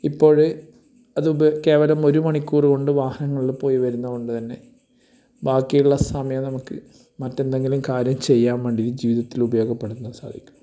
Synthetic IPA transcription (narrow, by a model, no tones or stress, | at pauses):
ipːo̞ːɻɨ | ɐðɨke̞ːʋɐlɐmo̞ɾumɐɳikʲːuːriko̞ɳɖɨʋaːhɐnɐŋːɐɭilpo̞ːjiʋɐɾunːɐko̞ɳɖɨt̪ɐnːe̞ | baːkːijuɭːɐsɐmjɐnɐmukːɨ | mɐtːe̞nd̪e̞ŋɡilumkaːɾjɐmt͡ɕe̞jːaːnʋɐɳɖiɾid͡ʑiːʋiðɐt̪ːilubɐjo̞ːɡɐpːeɽut̪ːunːɐsa̰ːd̪ʱikʲːu̥